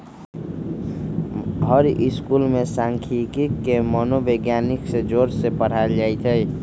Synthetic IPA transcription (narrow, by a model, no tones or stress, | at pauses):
ɦəɾʔɪskulmẽsãŋkʰikikːemɔnobeɡjaniksed͡ʒoːɾsepəɽ̤ald͡ʒaːit̪ʰəj